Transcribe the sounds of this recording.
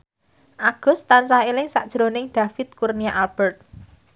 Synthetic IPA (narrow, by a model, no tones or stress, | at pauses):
ʔaɡ̥ʊ̤st̪ansaelɪŋsa̰ʔd̥ʒ̥ɾonɪŋd̪̥ä̤fɪt̪̚kurniaʔalb̥ərt̪̚